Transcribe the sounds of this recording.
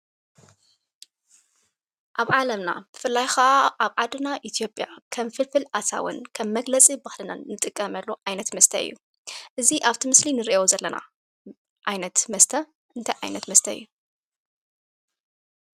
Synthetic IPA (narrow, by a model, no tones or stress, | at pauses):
ʔaβʕalɐmna̰b̥ɨfɨlːajxɐʔaʔaβʕad̪ɨnaʔit̪ʰijo̞pʼjakʰɐmfɨlfɨlʔasa̰wɨ̰nkʰɐmːɐɡlɐt͡sʼibaxlɨna̰nɨt̪ʼɨkʼːɐmɐlːoʔajnɐt̪mɐst̪ʰɐ̰ɨ̰jːu | ʔɨziʔaβt̪ʰimɨslinɨɾiʔewzɐlːɐna̰ | ʔajnɐt̪mɐst̪ʰɐ | ʔɨnt̪ʰajʕa̰jnɐt̪mɐst̪ʰɐɨ̰jːu